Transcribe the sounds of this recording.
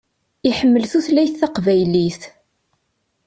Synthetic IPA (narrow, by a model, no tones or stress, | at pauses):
iħəmːəlθuθlæjθːæqvæjliθ